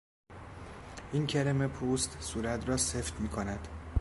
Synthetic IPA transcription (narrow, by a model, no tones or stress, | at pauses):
ʔincʰeɾemepʰuːst̪suːɾæt̪ʰrɒːseft̪miːkʰonæd̪̥